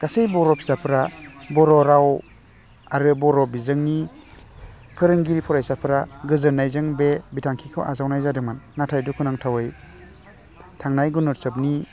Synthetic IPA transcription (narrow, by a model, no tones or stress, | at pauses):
ɡ̥asejbɔɾɔpʰi̥sapʰɾabɔɾɔɾaw | aɾɯbɔɾɔbizɯŋni | pʰɯɾɯŋɡiɾipʰɔɾajsapʰɯɾaɡɯzɯnajzɯŋbebitʰaŋkʰikʰɯ̰wʔazawnajzadɯmanːatʰajdukʰunaŋtʰawɯj | tʰaŋnajɡunɔɾsɯp̚ni